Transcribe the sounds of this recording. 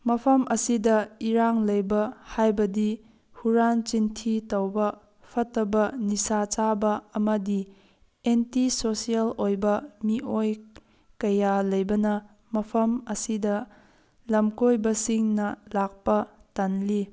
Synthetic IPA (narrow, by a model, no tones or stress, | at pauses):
mɐpʰɐmʔɐsidɐiɾaŋlɐjbɐhajbɐdi | huɾant͡ʃintʰitɐwbɐ | pʰɐtːɐbɐnisat͡ʃabɐːmɐdi | entisosielojbɐmiʔoj | kɐjalɐjbɐnɐ | mɐpʰɐmɐsidɐ | lɐmkojbɐsiŋnɐlak̚pɐtanli